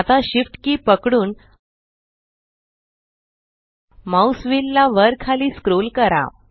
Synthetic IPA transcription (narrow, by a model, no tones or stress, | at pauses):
t̪aɕifʈkiːpəkɽuːn | mausʋilːaʋəɾkʰːaliːskɾolkəɾa̰